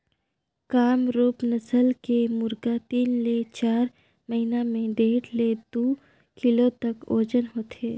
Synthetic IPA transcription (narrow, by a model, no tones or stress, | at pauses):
kaːmɾuːpnɐsəlkemʊɾɡat̪iːnlet͡ʃaːɾ | mɐɦinamẽɖeːʈled̪oː | kɪlot̪ɐkoːd͡ʒənɦoːt̪ʰeː